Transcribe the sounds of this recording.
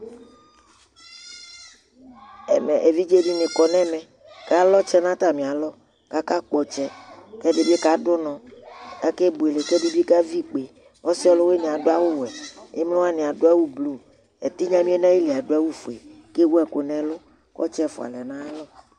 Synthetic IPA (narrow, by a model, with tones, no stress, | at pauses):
ɛ˨mɛ̃˨ʔe˨vi˦d͡ʒe˦bi˦nẽ˨kɔ˨nɛ̃˦mɛ̃˨ | ka˦lɔ˦t͡ʃɛ˦nã˦t̪a˦˨mĩ˨a˨lɔ˦ | ka˦ka˦k͡pɔ˨t͡ʃɛ˦kɛ˦ɖe˨bi˦e˦ka˦dʊ˦nɔ̃˨ka˦ke˦bu˨e˨le˨tɔ˦ɖu˦bi˦ka˦vi˦k͡pe˨ | wɔ˦si˦ɔ˦lo˦we˦nẽ˨a˨do˦a˦wo˦wɛ˨e˦mlõ˦wa˦nẽ˨a˨ɖo˦a˦wu˦blu˦ | e˨t̪i˦ɲã˦mĩ˦e˦nã˦ji˦li˨a˨ɖo˦a˦wu˦fo˨e˨ | ke˦wo˦ɛ˨ko˨nɛ̃˨lʊ˦ | kɔ̰˦t͡ʃɛ˦˨fo̰˨a̰˨lɛ˨nã˦lɔ˦